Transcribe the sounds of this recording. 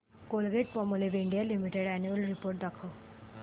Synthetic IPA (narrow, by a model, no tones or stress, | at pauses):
kolɡeʈ̚pɔmuleʋiɳɖijalimiʈeɽænjuəlɾipoɾʈ̚d̪akʰə